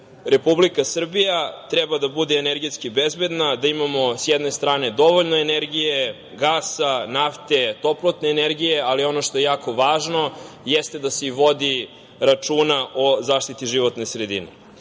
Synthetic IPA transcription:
ɾe̞publikasr̩bijat̪ɾɛbad̪abud̪eːneɾɡet̪skibezbed̪nad̪aimamo̞sjɛd̪ne̞st̪ɾaːne̞d̪o̞ʋoʎnoeneɾɡije | ɡaːsanaft̪e̞t̪o̞plˠot̪neːneɾɡijealio̞noʃt̪o̞jejaːko̞ʋaːʒno̞ | jɛst̪ed̪aseiʋo̞d̪i | ɾat͡ʂuːnaʔozaːʃt̪it̪iʒiʋot̪ne̞sɾed̪ḭne

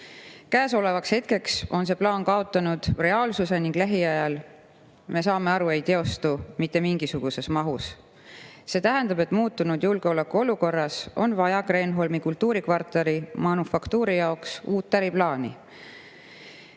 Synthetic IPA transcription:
kæːso̞le̞vɑkshe̞t̪̚ke̞kso̞ns̬e̞plɑːnkɑo̞t̪ːˑɑnud̪̥re̞ɑːlsuse̞niŋɡ̥læɦiɑjɑl | me̞sɑːme̞ɑɾue̞jt̪e̞o̞st̪umit̪ːe̞miŋɡ̥isuɡ̥use̞smɑɦus | se̞t̪æɦɛnd̪̥ɑbe̞t̪ːˑmuːt̪ːunud̪̥julɡe̞o̞lekːuo̞luko̞rːɑso̞̰nvɑjɑɡre̞nɦo̞lmikult̪uːɾikvɑrt̪ːˑeɾimɑnufɑkt̪uːɾijɑoksuːt̪ːæɾiplɑːni

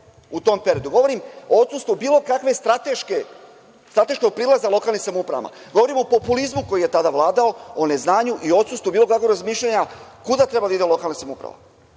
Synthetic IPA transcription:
ut̪o̞mpe̞ɾiod̪uɡo̞ʋo̞ɾimoot̪sust̪vubiːlˠo̞kakʋe̞st̪ɾat̪eʃke | st̪ɾat̪e̞ʃkoɡ̚pɾiːlˠazalo̞kalnixsamoupɾa̰ma̰ | ɡo̞ʋo̞ɾimo̞po̞pulizmuko̞jije̞t̪ad̪aʋlˠaːd̪ao̞one̞znaːɲuʔio̞t̪sust̪ubiːlˠo̞kakʋoɾazmiːʃʎaɲakud̪at̪ɾe̞bad̪aid̪elo̞kalnasamoupɾa̰ʋa̰

